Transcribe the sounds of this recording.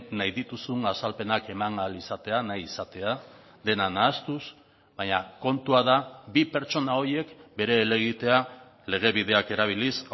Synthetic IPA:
najðit̪usuŋasalpe̞nake̞maŋalisat̪e̞anajisat̪e̞a | ðe̞nanaːst̪us | βaɲako̞nt̪uaðabipe̞ɾt͡ʃo̞nao̞je̞kbe̞ɾe̞ːle̞ɣit̪e̞a | le̞ɣ̞e̞βið̞e̞ake̞ɾaβ̞ilis

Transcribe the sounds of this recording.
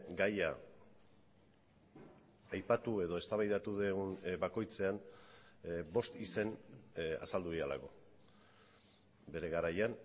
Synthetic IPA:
ɡaja | jpat̪ue̞ðo̞e̞st̪aβajðat̪uðeɣunbako̞jt͡se̞an | bo̞st̪ise̞na̰sald̪uiala̰ɣo̞ | be̞ɾe̞ɣaɾajan

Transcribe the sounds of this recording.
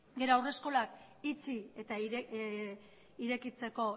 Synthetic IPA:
ɡe̞ɾoawre̞sko̞lak | it͡sie̞t̪a | iɾe̞kit͡se̞ko̞

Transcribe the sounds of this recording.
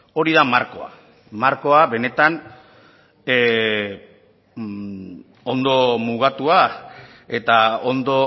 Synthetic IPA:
o̞ɾiðamaɾko̞̰a̰ | maɾko̞aβe̞ne̞t̪an | o̞nd̪o̞muɣ̞at̪ua | e̞t̪ao̞nd̪o̞

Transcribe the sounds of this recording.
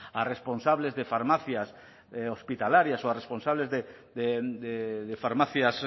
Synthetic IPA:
aresponsaβlezðefaɾmaθjas | ospit̪alaɾjasoaresponsaβlezðe | d̪ed̪eðefaɾmaθjas

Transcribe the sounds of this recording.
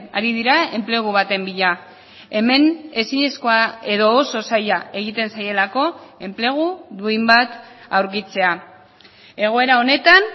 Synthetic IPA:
aɾiðiɾae̞mple̞ɣ̞uβat̪e̞mbiʎa | e̞me̞ne̞siɲe̞sko̞ae̞ðo̞ːso̞sajae̞ɣ̞it̪e̞nsaje̞lako̞e̞mple̞ɣ̞uðuimbat̪ | awɾk̬it͡se̞a | e̞ɣ̞o̞e̞ɾao̞ne̞t̪an

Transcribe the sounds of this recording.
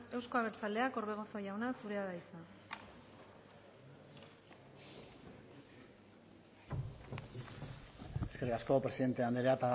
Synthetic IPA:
e̞wsko̞aβ̞e̞ɾt͡sale̞ako̞ɾβe̞ɣ̞o̞so̞ʝawnasuɾe̞aðaisa | eske̞rikasko̞pɾe̞siðent̪eand̪eɾeat̪a

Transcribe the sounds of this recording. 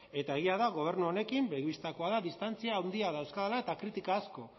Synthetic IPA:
e̞t̪ae̞ɣiaðaɣo̞β̞e̞ɾnuo̞ne̞kimbe̞ɣiβist̪ako̞aðaðist̪ant͡siaːwnd̪iaðawskaðelae̞t̪akɾit̪ikaːsko̞

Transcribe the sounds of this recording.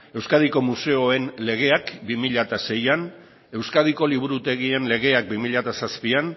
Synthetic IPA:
e̞wskað̞iko̞muse̞oe̞nle̞ɣ̞e̞akbimiʎat̪ase̞jan | e̞wskaðiko̞liβ̞uɾut̪e̞ɣie̞nle̞ɣ̞e̞ak̚bimiʎat̪asaspian

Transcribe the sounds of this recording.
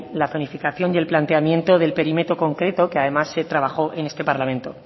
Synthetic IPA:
laθo̞nifikaθjo̞nje̞lplant̪e̞amjẽ̞nt̪o̞ðe̞lpe̞ɾimet̪oko̞ŋkɾe̞t̪o̞keaðe̞masːe̞t̪ɾaβ̞axo̞ʔe̞ne̞st̪e̞paɾlamẽ̞nt̪o̞

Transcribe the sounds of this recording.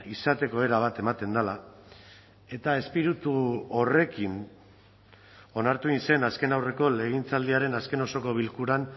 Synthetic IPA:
isat̪e̞ko̞e̞ɾaβ̞at̪e̞mat̪e̞nd̪ala | e̞t̪ae̞spiɾut̪uo̞re̞kin | o̞naɾt̪uinse̞naske̞nawre̞ko̞le̞ɣ̞int͡sald̪iaɾe̞naske̞no̞so̞ko̞β̞ilkuɾan

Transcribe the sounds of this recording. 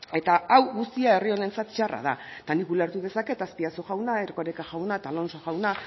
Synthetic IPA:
e̞t̪aawɣust̪iae̞rio̞ne̞nt͡sat̪t͡ʃara̰ð̞a̰t̪anikuleɾt̪uðe̞sake̞t̪aspiasoɣawnaeɾkoɾekaʝawnat̪alo̞nsoɣawna

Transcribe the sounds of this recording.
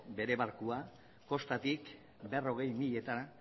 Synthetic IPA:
be̞ɾe̞βaɾkua | ko̞st̪at̪ik | be̞ro̞ɣ̞e̞jmiʎe̞t̪a

